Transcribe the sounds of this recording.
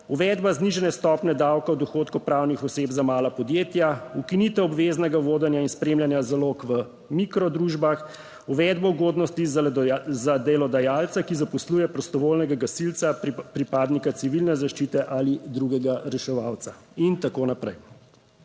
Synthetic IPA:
uʋɛd̪bazniʒɛnɛst̪ɔpnɛd̪awkawd̪ɔxoːt̪kupɾawnixɔsebzamaːlapɔd̪jeːt̪jaukinit̪ɛɔbʋeznɛɡaʋoːd̪ɛnjainspɾeːmljanjazaloːkʋə | mikɾɔd̪ɾuʒbax | uʋɛd̪̚bɔuɡoːd̪nɔst̪izzad̪ɛlɔd̪ajaːlt̪sakizapɔsluːjɛpɾɔst̪ɔʋoːlnɛɡaɡasilt̪sapɾipaːd̪nikat̪siʋilnɛzaʃt͡ʃit̪ɛʔalid̪ɾuɡɛɡaɾɛʃɛʋaːwt̪sa | int̪akoːnapɾɛj

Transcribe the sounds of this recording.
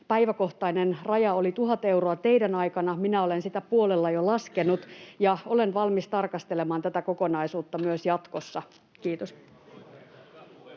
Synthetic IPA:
pæiʋæko̞ht̪ɑinenrɑjɑolit̪uɦɑt̪e̞wroɑt̪e̞idænɑikɑnɑminæolensit̪æpuolelːɑjolɑskenut̪jɑolenʋɑlmist̪ɑrkɑst̪elemɑːnt̪æt̪ækokonɑisuːt̪ːɑmyøsjɑt̪kosːɑ | kiːt̪os

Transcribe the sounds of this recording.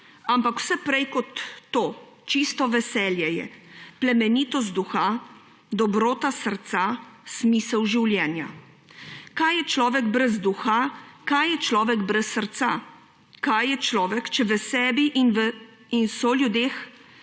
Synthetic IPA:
ampakw̥sɛpɾɛjkɔt̪ːoː | t͡ʃist̪ɔʋɛsɛːljɛjɛ̰plɛmɛniːt̪ɔst̪̚d̪uxa | d̪ɔbɾoːt̪asəɾt̪sasmisɛwʒiwljɛːnja | kajjɛt͡ʃlɔːʋɛɡbɾɛzd̪uxakajːɛt͡ʃlɔːʋɛɡbɾɛsːəɾt̪sa | kajːɛt͡ʃlɔːʋɛkt͡ʃɛʋɛsɛːbiʔinʋ | insɔljud̪eːx

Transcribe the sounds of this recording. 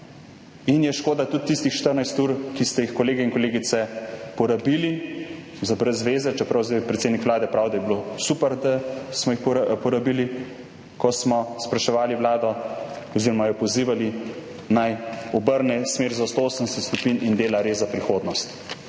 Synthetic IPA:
injɛʃkoːd̪at̪ut̪ːist̪ixʃt̪əɾnajst̪uːɾkist̪ɛjixkɔleːɡɛinkɔleːɡit̪sɛpɔɾabiːli | zabɾɛzːʋeːzɛt͡ʃɛpɾawzapɾɛt̪seːd̪nikʋlaːd̪ɛpɾawd̪ajɛbilosupɛɾd̪asmɔjixpɔpɔɾabiːli | kɔsmɔspɾaʃɛʋaːliʋlaːd̪ɔ | ɔziːɾɔmajɔpɔziːʋali | najɔbəɾnɛsmeːɾzast̪ooːsənd̪ɛsɛt̪skupinind̪eːlaɾezapɾixoːd̪nɔst̪

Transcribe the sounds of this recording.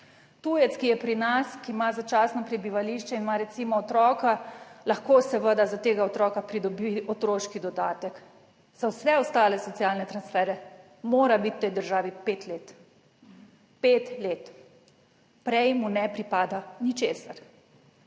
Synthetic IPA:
t̪ujɛt̪skijɛpɾinaskimazat͡ʃasnɔpɾɛbiʋaliʃt͡ʃɛinmaɾɛt̪simɔːt̪ɾɔːkalaxkosɛʋəd̪azat̪eːɡaɔt̪ɾɔːkapɾid̪ɔbiɔt̪ɾoʃkid̪ɔd̪aːt̪ɛk | z̥awsɛɔst̪aːlɛsɔt̪sijalnɛt̪ɾansfɛːɾɛ | moːɾabit̪t̪ɛjd̪əɾʒaːʋipet̪leːt̪ | pet̪leːt̪ | pɾɛjmunɛpɾipaːd̪anit͡ʃeːsaɾ

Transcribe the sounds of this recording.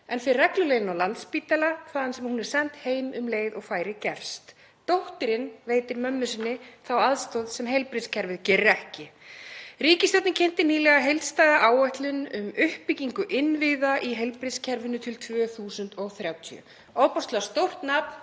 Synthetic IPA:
ɛnfɪɾrɛklʏlejðɪnawlant̪spiːt̪alaθaːðansɛmhunɛɾ̥sɛn̥t̪heːjmʏmleːjðɔɣfaːjɾɪcɛɾ̥st̪ | t̪owht̪ɪɾɪnveːjt̪ɪɾmœmːʏsɪnːɪθawaðst̪ɔðsɛmɦejlpɾɪscʰɛɾvɪðcɛrːɪɛhcɪ | riːcɪst̪œwt̪nɪcʰen̥t̪ɪniːlɛɣaɦejlt̪st̪aːðaʔaːwɛht̪lʏnʏmʏhpiciŋkʏʔɪnvɪðaʔiɦejlpɾɪscʰɛɾvʏnʏt̪ʰɪlt̪ʰvœːθuːsʏnt̪ɔɣθɾjaːwt̪ʰḭʏ̰ | oːwpɔst̪last̪owr̥t̪naːpn̥

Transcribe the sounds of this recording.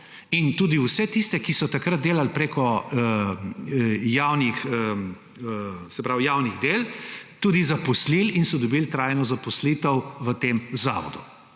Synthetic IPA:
int̪uːd̪iwsɛt̪ist̪ɛkisɔt̪akɾad̪̚d̪eːlalpɾeːkɔə | jaːwnixə | sɛpɾawjaːwniɣd̪elt̪uːd̪izapɔslilinsɔd̪ɔbilt̪ɾajnɔzapɔsliːt̪əwʋət̪eːmza̰ːʋɔ̰d̪u

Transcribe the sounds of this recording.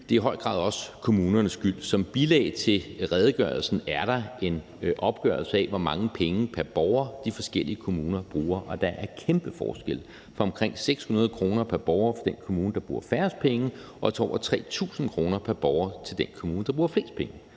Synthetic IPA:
d̥e̝iɦɒ̽ɪ̰ɡ̥ʁɑ̰̈ðˠɒ̽sə̥kʰo̝muːnɐnəsɡ̥yl̰sɒ̽mb̥ilɛ̰ːɪt͡sʰe̝lʁɛð̞ˠəɡ̥ɶ̰ɐl̩sn̩æɐɾ̥ɑ̈e̝n | ʔɒ̽b̥̚ɡ̥ɶːɐlsəɛʋɒmɑ̈ŋəpʰeŋəpʰæɐb̥ɒʊɐd̥ifɒ̽sɡ̥el̰iəkʰo̝muːnɐb̥ʁuːɐʔɒ̽d̥ɑ̈ʔæɐkʰemb̥əfɒ̰ːsɡ̥el̰ | fɒ̽ɒ̽mkʰʁeŋ̰seɡ̥shunɐð̞ˠkʰʁo̝ːnɐpʰæɐb̥ɒʊɐfɒ̽d̥enkʰo̝muːnəd̥ɑ̈b̥ʁṵːɐfæɐsd̥̚pʰeŋə | ɒ̽t͡sʰeɒ̰ʊɐt͡sʰʁɛ̰ːt͡sʰṵːsn̩kʰʁo̝ːnɐpʰæɐb̥ɒʊɐt͡sʰe̝ld̥enkʰomuːnəd̥ɑ̈b̥ʁuːɐfle̝̰ːsd̥̚pʰeŋə

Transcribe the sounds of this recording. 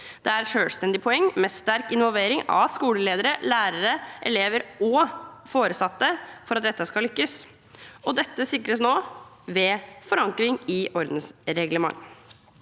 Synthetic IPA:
d̪̥ɛæɾʂøːlst̪ɛnd̪ɪpʰɔɛŋːmɛst̪æɾkɪnʋɔlˠʋeːɾɪŋɑ̰skuːləleːd̪əɾəlæːɾəɾəʔɛ̰leːʋəɾɔfoːɾəsɑt̪ːəfɔɾɑt̪̚d̪ɛt̪ːəskɑlʏkːəs | ɔd̪ɛt̪ːəsɪkːɾəsnoː | ʋɛfɔɾɑŋkɾɪŋɪʔɔɾd̪n̩sɾɛɡləmɑ̰ŋː

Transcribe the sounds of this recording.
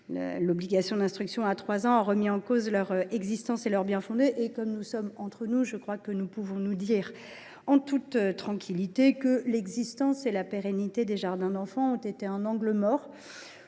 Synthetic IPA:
lə̰lɔbliɡasjɔ̃d̪ɛ̃st̪χyksjɔ̃at̪χwazɑ̃aʁəmiɑ̃kozlœʁɛɡzist̪ɑ̃selœʁbjɛ̃fɔ̃d̪eʔekɔmnusɔmɑ̃t̪χənuʒəkχwakənupuvɔ̃nud̪iʁ | ɑ̃t̪ut̪t̪ːχɑ̃kʲʰilit̪ekəlɛɡzist̪ɑ̃selapeʁenit̪ed̪eʒaʁd̪ɛ̃d̪ɑ̃fɑ̃ɔ̃t̪et̪eɛ̃nɑ̃ɡləmɔʁ

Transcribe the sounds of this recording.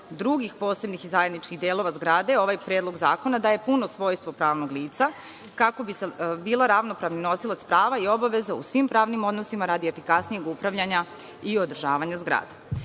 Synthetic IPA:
d̪ɾuɡixpo̞ːse̞bnixizaje̞d̪nit͡ʃkiɣd̪eːlˠo̞ʋazɡɾaːd̪e̞o̞ʋajpɾeːd̪lˠo̞ɡzaːko̞nad̪aːje̞puno̞sʋo̞ːjst̪ʋo̞pɾaːʋno̞ɡlˠiːt̪sa | kakobisebiːlˠaɾaʋno̞pɾaʋnino̞silat̪spɾaːʋaio̞baʋe̞zaṵsʋimpɾaːʋnimo̞d̪nosimaɾad̪iefikasnije̞ɡupɾaʋʎaɲa | io̞d̪r̩ʒaːʋaɲazɡɾa̰ːd̪e

